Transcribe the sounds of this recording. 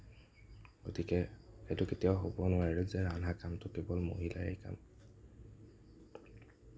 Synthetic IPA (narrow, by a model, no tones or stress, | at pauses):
ɡotikɛetʊketijaʊxobɔnʊaɹɛzɛɹanakamtʊkebɔlmo̰ɦila̰ḛjka̰m